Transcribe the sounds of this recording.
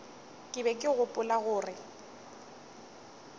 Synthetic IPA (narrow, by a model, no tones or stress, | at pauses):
kʼɪbɛkʼɪɣʊpʼʊlaɣʊːrɪ